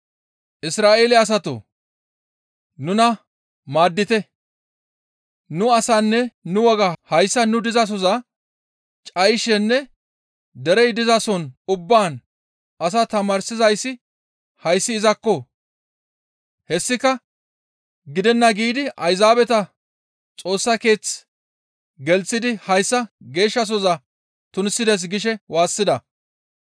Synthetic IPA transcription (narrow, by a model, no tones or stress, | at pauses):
ʔɪsɾaːʔe̞ːlɛɐs̬ɐt̪o̰ | nʊnɐ | maːd̪ːɪt̪ɛ | nʊɐsanːɛnʊwɔɡɐhɐjsːɐnʊd̪ɪzɐs̬ɔzɐ | t͡ʃʼɐjʃɛnːɛ | d̪ɛɾɛjd̪ɪzɐsɔnʊbːaːn | ɐs̬ɐt̪ɐmaːɾsɪzɐjsːɪ | hɐjsːɪːzɐkːɔ | hɛsːɪkɐ | ɡɪd̪ɛnːɐɡiːd̪ɪɐjzaːbɛt̪ɐ | t͡sʼo̞ːsːɐke̞ːt͡s | ɡɛlt͡sːɪd̪ɪhɐjsːɐɡe̞ːʃːɐs̬ɔzɐ | t̪ʊnsːɪd̪es̬ɡɪʃɛwaːsːɪd̪ɐ